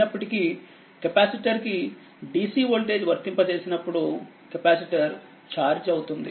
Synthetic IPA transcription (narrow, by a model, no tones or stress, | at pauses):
ɐpːɐʈiki | kɐpaːsiʈɐɾki | ɖiːsiːʋoːɭʈe̞ːd͡ʒʋɐɾt̪impɐt͡ʃe̞ːsinɐpːuɽu | kɐpaːsiʈɐɾ | t͡ʃaːɾd͡ʒɐwut̪und̪ḭ